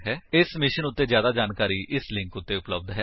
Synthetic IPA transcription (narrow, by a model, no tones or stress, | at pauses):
ɦɛːɪsmɪʃənʊt̪ːeːzjaːd̪aːd͡ʒaːnkaːɾiːʔɪslɪ̃ŋkʊt̪ːeʊpləb̚d̪ɦɛː